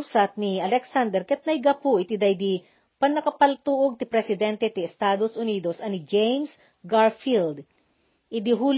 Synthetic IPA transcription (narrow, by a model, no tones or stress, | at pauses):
sat̪̚nɪɐlɛksand̪ɛɾkɛt̪̚nɐjɡɐpʊʔɪt̪ɪd̪ɐjd̪i | pɐnɐkɐpɐlt̪uːʔoɡ̚t̪ɪpɾɛsɪd̪ɛnt̪ɛt̪ɪɛst̪aːd̪osʔʊniːd̪osɐnɪd͡ʒɛjms | ɡaɹfild̪ | ʔɪd̪ɪɦuːl